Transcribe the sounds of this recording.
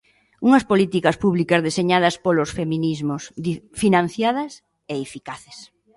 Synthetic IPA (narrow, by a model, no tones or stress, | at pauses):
uŋɐspolit̪ikɐspuβlikɐzðeseɲað̞ɐspolosfemĩnizmosfinãn̟θjað̞ɐs | eefikaθe̥s